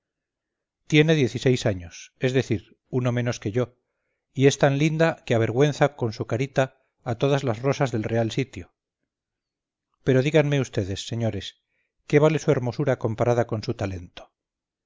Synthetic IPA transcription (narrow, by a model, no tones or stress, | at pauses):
t̪je̞ne̞ðje̞θise̞jsaɲo̞se̞zðe̞θiɾ | uno̞mẽ̞no̞ske̞ʝo̞ | ie̞st̪anlind̪akeaβ̞e̞ɾɣwe̞nθako̞nsukaɾit̪aː | t̪o̞ðazlazro̞sazðe̞lre̞alsit̪jo | pe̞ɾo̞ðiɣanme̞ust̪e̞ðe̞sːe̞ɲo̞ɾe̞s | ke̞β̞ale̞sue̞ɾmo̞suɾako̞mpaɾaðako̞nsut̪ale̞nt̪o̥